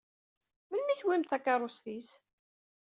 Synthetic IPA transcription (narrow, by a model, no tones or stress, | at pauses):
mənːiθwimθækːaɾˤʊsθis